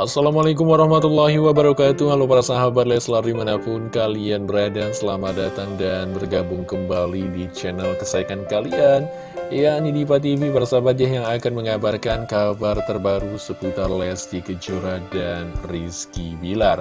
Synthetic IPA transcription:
ʔasːalamalak̬ʊmwaɾɑhmat̪ulːaɦiwabəɾakat̪uhalawpaɾasaɦabat̪̚laslardimanapʊnkalianbəɾadasəlamadat̪aŋdanbərɡabʊŋkəmbalidit͡ʃɛnəlkəsaikankalian | anidipat̪̬ivipaɾasabat̪̚jaɦjaŋakanməŋabarkankabart̪ərbaɾusəput̪arlɛsdikəd͡ʒuɾadanriskibilar

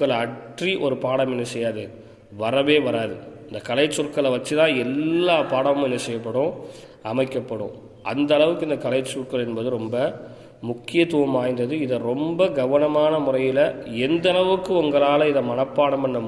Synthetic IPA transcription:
kɐɭɐʈriʔɔɾɯpaːɽɐmɛnːɐsɛjːaːðɯ | ʋɐɾɐʋeːʋɐɾaːðɯɪnd̪ɐkɐɭɐɪt͡ʃːʊɾkːɐɭɐʋɐt͡ʃːɯt̪ãːɛlːaːpaːɽɐmʊ̃mɛnːɐsɛjːɐpːɐɽʊ̃ | ɐmɐɪkːɐpːɐɽʊ̰̃ | ɐ̰nd̪ɐɐɭɐʋɯkːɯɪnd̪ɐkɐɭɐɪt͡ʃːʊrkːɐɭɛnbɐðɯɾɔmbɐ | mʊkːɪjɐt̪ːuːʋɐmaːjnd̪ɐðɯɪðɐɾɔmbɐɡɐʋɐnɐmaːnɐmʊrɐjɪlɐɛnd̪ɐlɐʋɯkːɯʊŋɡɐɭaːlɐɪðɐmɐnɐpːaːɽɐmbɐnːɐm

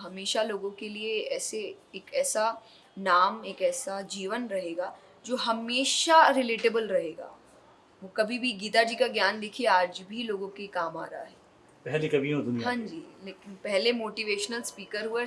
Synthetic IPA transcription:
ɦɐmeːʃaloːɡõkelieɛːseeːkɛːsa | naːmeːkɛːsad͡ʒiːʋənɾɐɦeːɡa | d͡ʒoːɦɐmeːʃaɾɪleːʈɪbəlɾɐɦeːɡa̰ː | ʋokɐbʱibʱiɡiːt̪ad͡ʒiːkaɡjaːnd̪ekʰieaːd͡ʒbʱiloːɡõkekaːma̰ːɾaɦɛː | pɛɦlekɐbʱiõd̪ʊɦãɲd͡ʒiːleːkɪnpɛɦlemoːʈiʋeːʃnəlspiːkəɾɦue

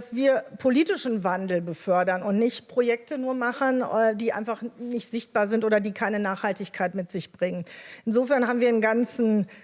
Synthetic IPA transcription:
asv̥iːɐpʰoliːtɪʃn̩vandl̩bəfœɐdɐnʊntnɪçtpʁ̥ojɛk̚tənuːɐmaχənːdiːʔa̰ɪnfaχnɪçtz̥ɪçt̚b̥aːɐzɪntʔoːdɐdiːkʰaɪnənaːχhaltɪçkʰaɪtmɪtz̥ɪçb̥ʁɪŋənʔɪnzoːfɛɐnhaːbm̩viːɐdɪnɡant͡sn̩

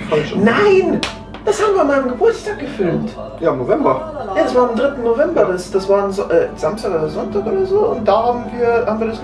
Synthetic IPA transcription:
anaɪn | d̥ashaːbm̩viːɐnmaɪnəmɡəbʊɐt͡stʰaːk̚ɡ̥əfɪlmt | jaːmnovɛmbɐjaːdasv̥aːɐɪmdʁɪtn̩novɛmbɐdasd̥asv̥aːɐɪmzɔʔɛːz̥amstaːkodɐzɔntaːkʔoːdɐzoːʊnt̚d̥aːhaːbm̩viːɐhaːbmviɐdas

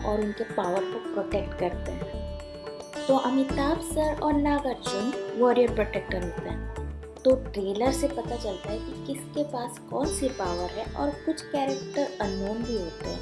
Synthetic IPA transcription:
ɔːɾʊnkepaːʋəɾpɐpɾoːʈeːkʈkɐɾt̪eɦɛ̃ | t̪oʔɐmɪt̪aːbsəɾɔːɾnaːɡəɾd͡ʒʊnʋɔːɾijəɾpɾoːʈeːk̚ʈəɾɦoːt̪eɦɛ̃ | t̪oːʈɾeːləɾsepɐt̪at͡ʃɐlt̪aɦɛkikɪskepaːskɔːnsepaːʋəɾɦɛ̃ʔɔ̰ːɾkʊt͡ʃʰkɛːɾɛkʈəɾɐnoːnbʱiɦoːt̪ḛɦɛ̰̃ː

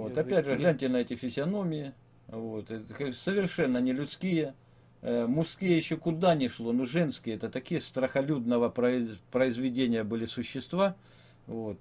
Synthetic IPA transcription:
vot̪ɐpʲædʲʐɨɣlʲænʲtʲɪnɐɛtʲɪfʲɪzʲɪɐno̞mʲɪjɪ | vot̪xsəvʲɪrʂɛnːənʲɪlʲʊt̪skʲijə | mʊskʲijəjɪɕːokʊd̪anʲɪʂlˠo̞noʐɛnskʲɪjəɛt̪ət̪ɐkʲijəst̪ɾəxɐlʲud̪nəvəəpɾəɪzvʲɪdʲenʲɪjəbɨlʲɪsʊɕːɪst̪va | vot̪̚

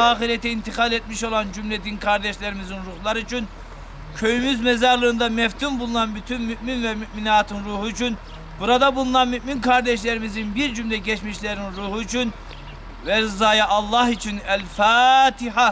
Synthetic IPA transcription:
aːxiɾɛt̪iint̪ʰixɑlet̪̚miʃo̞lˠand͡ʒymled̪inkʰaɾd̪ɛʃlʲeɾimizinɾuhlˠaɾɯyt͡ʃʰyn | cʰøjymyzmɛzaɾlˠɯːnd̪amɛft̪ʰynbulˠunanbyt̪ʰynmyʔminvɛmyʔminaːt̪ʰɯnɾuːhuyt͡ʃʰyn | buɾad̪abulˠunanmyʔminkʰaɾd̪ɛʃlʲeɾimizinbiɾd͡ʒymlʲɛɟɛt͡ʃmiʃlʲeɾinɾuːhuyt͡ʃʰyn | vɛɾzaːjaʔɑlˠːɑɦit͡ʃʰynælʲfaːt̪ʰiħa

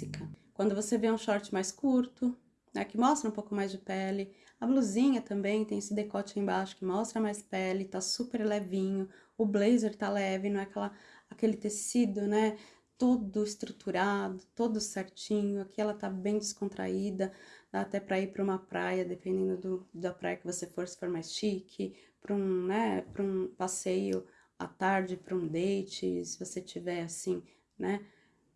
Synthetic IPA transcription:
ikɐkwɐ̃nd̪ʊvoseveũʃɔɾt͡ʃɪmajskuɾt̪ʊ | nɛ̰kɪmɔst̪ɾɐũpowkʊmajzd͡ʒɪpɛlɪ | ɐbluzĩɲɐt̪ɐ̃mbẽj̃t̪ẽj̃esɪd̪ekɔt͡ʃɪẽj̃baʃʊ̥kɪmɔst̪ɾɐmajspɛlɪt̪asupeɾlɛvĩɲʊ | ʊblejzeɾt̪alɛvɪnɐ̃w̃ɛkɛlɐakelɪt̪esid̪ʊnɛ | t̪od̪ʊɪst̪ɾut̪ʰuɾad̪ʊt̪od̪ʊsɛɾt͡ʃĩɲʊakʰiɛlɐt̪abẽj̃d͡ʒɪskõnt̪ɾa̰id̪ɐd̪aːt̪ɛpɾɐipɾɐũmɐpɾa̰jɐd̪epẽnd̪ẽnd̪ʊd̪ʊd̪ɐpɾa̰jɐkɪvosefoɾsɪ̥foɾmɛst͡ʃikʰɪpɾũnɛpɾũpasejʊ | a̰t̪aɾd͡ʒɪpɾɐũd̪ejt͡ʃɪ̰sɪvoset͡ʃivɛasĩ | nɛ

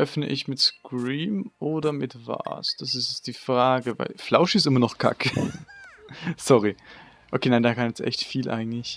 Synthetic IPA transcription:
ʔœfnə̰ʔɪçmɪtskʁiːmʔoːdɐmɪtva̰ːsd̥asɪstjɛt͡std̥iːfʁ̥aːɡəva̰ɪlflaʊʃɪstʔɪmɐnɔχkʰa̰kʰə | sɔʁi | ʔokʰeːnaɪndaːkʰanjɛt͡stʔɛ̰çtfiːlʔa̰ɪɡŋ̩tlɪç

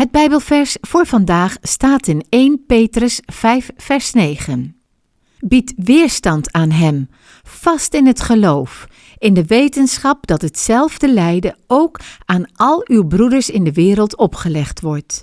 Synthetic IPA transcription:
ɦəd̚bɛjbəlˠvɛɹsfʊːɹv̥ɑndaːχstaːtɪnejnpejtrəsfɛjfːɛɹsnejχən | bitʋɪːɹstɑntʰaːnɦɛm | fɑstɪnɦətχəlowf | ɪndəʋejtənsχɑp̚dɑtɦətsɛlˠvdəlɛjdəowkaːnɑlˠywbrudəɹsɪndəʋɪːɾəlˠtʰɔpχəlɛχtʋɔɹt

